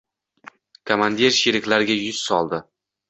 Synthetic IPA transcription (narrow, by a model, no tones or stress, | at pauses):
kʰomand̪ʲeɾʃeɾɪkʲlaɾɪɡʲajʊz̥sɒlˠd̪ɪ